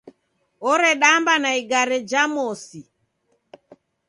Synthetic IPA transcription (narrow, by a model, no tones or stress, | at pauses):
ɔɾɛɗambanaiɡaɾɛd͡ʒamɔsi